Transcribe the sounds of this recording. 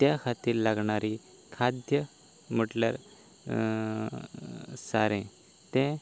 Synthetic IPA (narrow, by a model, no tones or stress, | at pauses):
t̪jakʰat̪iːɾlaɡɳaɾi | kʰad̪jə | m̤əʈlja̰ɾ | saɾẽ | t̪ɛ̃